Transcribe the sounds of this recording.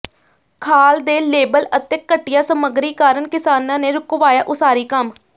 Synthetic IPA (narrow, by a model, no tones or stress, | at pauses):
kʰaːld̪eːleːbələt̪eːkːəʈːɪjãːsəməɡɾiːkaːɾənkɪsaːnãːneːɾʊkʋaːjaːʔʊsaːɾiːkəm